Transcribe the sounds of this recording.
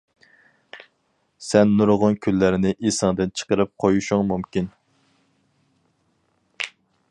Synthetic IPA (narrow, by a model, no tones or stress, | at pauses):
sɛnːuɾʁʊnkʲʰylːæɾɪnɪʔisɑŋd̪ɨnt͡ʃʰə̥qəɾɨp̚qʰojuʃuŋmumkʲin